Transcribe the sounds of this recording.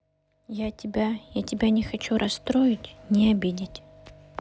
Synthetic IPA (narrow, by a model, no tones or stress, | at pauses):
jatʲɪbʲajatʲɪbʲanʲɪxɐt͡ɕuɾʔɐst̪ɾojɪtʲnʲɪɐbʲidʲɪtʲ